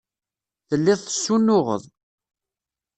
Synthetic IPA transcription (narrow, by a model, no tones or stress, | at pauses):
θəlːɪðˤθə̥sːunːʊʁə̰ðˤ